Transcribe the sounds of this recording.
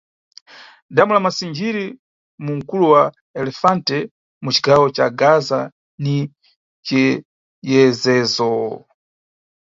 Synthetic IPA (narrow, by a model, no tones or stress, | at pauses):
damulamasind͡ʒiɾi | muŋ̩kuluwa | ɛlɛfantɛ | mut͡ʃi̥ɡawɔt͡ʃaɡaza | ni | t͡ʃɛ | jɛzɛːzɔ